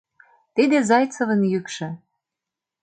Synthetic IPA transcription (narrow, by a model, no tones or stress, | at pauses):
t̪id̪ezɑjt͡sə̆və̆njykʃɤ̆